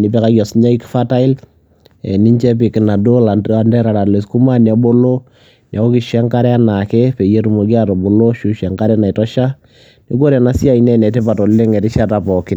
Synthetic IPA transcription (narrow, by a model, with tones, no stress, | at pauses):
ni˨pɛ˦ka˦ɡjɔ˨sɲa˦i˦ki˦fa˦ta˦ɪ˦l | ɛ˨ni˦ɲt͡ʃɛ˦p̬i˨kɪ˨na˨do˦la˨na˨ndɛ˦ɾa˨ɾa˨le˨sku˦ma˦nja˨bo˦lo˦ | nja˨o˦ki˨ʃɛ˦ŋka˦ɾɛ˦ana˨kɛ˦pe˨je˦tu˨mo˨ɡi˦a˦tɔ˨bo˨lo˦ʃu˦ʃɛ˨ŋka˦ɾɛ˦na˨i˨tɔ˦ʃa˦ | ni˦ɡ̬o˦ɾɛ˨na˦si˦a˦inɛ˦nɛ˨te˦pa˨tɔ˨lle˦ŋɛ˨tɪ˦ʃa˦ta˨pɔ˨kɪ˦n